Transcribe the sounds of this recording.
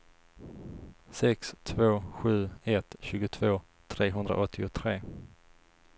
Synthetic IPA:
sɛkst̪ʰvoːɧʉ̟ːɛt̪ɕʉ̟ːɡʊt̪ʰv̥oː | t̪ʰɾeːɦɵnd̪ɾa̰ʔɔt̪ʰːɪʊt̪ʰɾeː

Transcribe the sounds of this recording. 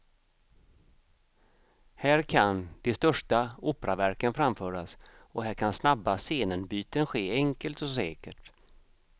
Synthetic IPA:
hæːɾkʰand̪̥ɛst̪œʂʈauːpɾavæɾkənfɾamfœːɾasɔɦæːɾkʰansnabːaseːnənbyːt̪ənɧeːɛŋkəlt̪ɔsɛːkəʈ

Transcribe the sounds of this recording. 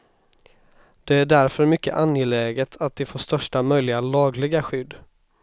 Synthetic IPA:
d̪̥ɛæɖæɾfœɾmʏkːə̰ʔanjɛlɛːɡət̪ʰat̪̚d̪ɛfoːʂt̪œʂʈamœjlɪɡalɑːɡlɪɡaɧʏd̪ː

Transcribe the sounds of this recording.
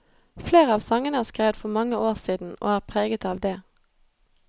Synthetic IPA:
fleːʁəɑːʋsɑŋənəæːʁskʁeːʋət̪fɔʁmɑŋəoːʁsiːd̪n̩ʔo̰ːæːʁpʰʁeːɡət̪ɑːʋd̪eː

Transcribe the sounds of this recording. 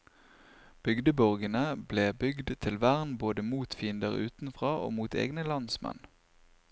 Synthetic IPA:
b̥ʏɡd̪əbɔʁɡənəbleːbʏɡd̪t̪ʰɪlʋæʁnboːd̪əmuːt̪fiːnd̪əʁʉ̰ːt̪n̩fʁɑːʔo̰ːmuːt̪ʰḛːɡnəlɑnsmɛ̰n

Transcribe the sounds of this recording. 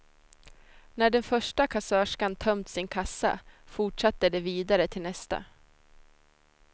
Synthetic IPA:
næɖɛnfœʂʈakʰasœːʂkant̪ʰœmt̪sɪnkʰasːa̰fʊʈʂat̪ːəd̪ɛviːd̪aɾət̪ʰɪlnɛst̪a̰

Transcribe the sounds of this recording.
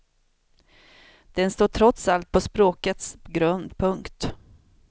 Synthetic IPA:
d̪̥ɛnst̪oːʈʰɾɔt̪salt̪̚pʰɔspɾoːkət̪sɡɾœnd̪pʰɵŋkt̪

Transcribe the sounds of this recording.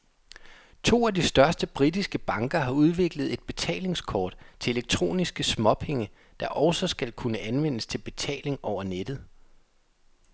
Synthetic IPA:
t͡sʰo̝̰ːæd̥isd̥ɶɐsd̥əb̥ʁid̥isɡ̥əb̥ɑ̈ŋɡ̥ɐɦɑ̈uð̞ˠʋe̝ɡ̥ləð̞̩ˠe̝d̥̚b̥e̝t͡sʰɛ̰ːle̝ŋskʰɒ̰ːd̥t͡sʰe̝e̝leɡ̥̚t͡sʰʁo̝̰ːnisɡ̥əsmɒ̽pʰe̝ŋə | d̥ɑ̈ʔɒʊsɒ̽sɡ̥ælkʰunəʔænʋen̰əst͡sʰe̝lb̥e̝t͡sʰɛ̰ːle̝ŋɒʊ̰ɐned̥ð̩ˠ

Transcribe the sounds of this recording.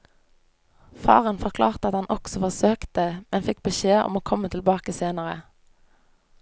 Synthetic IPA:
fɑ̰ːʁənfɔʁkʰlɑːʁt̪əɑt̪hɑnʔɔksɔfɔʁsøːkt̪əmʔɛnfɪk̚bəʃeːɔ̰moːkʰɔmət̪ʰɪlbɑːkəseːnəʁə

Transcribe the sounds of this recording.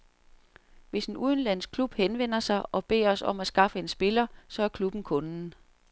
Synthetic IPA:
ʋe̝se̝nuðˠən̩læn̰skʰlub̥henʋen̰ɐsɑ̈ɪʔɒ̽b̥e̝̰ːɐɒ̽sɒ̽m̰æsɡ̥ɑ̈fəe̝nsb̥e̝lɐsɒ̽æɐkʰlub̥n̩kʰɔ̽nn̩

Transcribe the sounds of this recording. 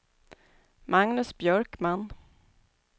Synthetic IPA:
maŋnɵsbjœɾkmanː

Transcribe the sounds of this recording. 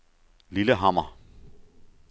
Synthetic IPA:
liləɦama̰

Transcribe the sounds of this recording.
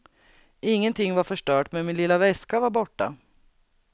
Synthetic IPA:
ɪŋːənt̪ʰɪŋːvaɾfœʂʈœːʈmɛnmɪnlɪlːavɛskavaɾbɔʈːa

